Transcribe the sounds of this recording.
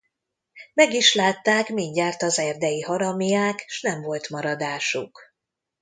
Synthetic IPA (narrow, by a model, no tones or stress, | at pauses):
mɛɡiʃlaːt̪ːaːkmiɲɟaːrt̪ɒzɛrd̪ɛjihɒɾɒmijaːkʃnɛɱvo̞lt̪mɒɾɒd̪aːʃuk